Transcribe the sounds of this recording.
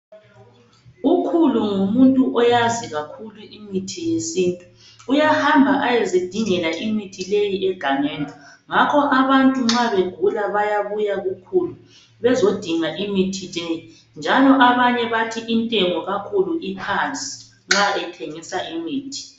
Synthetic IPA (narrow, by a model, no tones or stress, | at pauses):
ukʰuluŋumuntʼuʔɔjaziɣakʰuluʔimitʰijesiːntʼu̥ː | jahambʱaʔajezid̥ʱiŋɛlaʔimitʰilejiʔɛɡ̥ʱaŋɛːndʼʱɔŋakʰɔʔaβantʼuŋ͡ǁaβeɡ̥ʱulaβajaβujaɣukʰulu | βɛzod̥ʱiŋaʔimitʰileji | nd͡ʒʱalɔʔaβaɲɛβatʰiʔintʼɛŋɔɣakʰuluʔikʰant͡sʼi̥ | ŋ͡ǁaʔɛtʰeŋisaʔimiːtʰi̥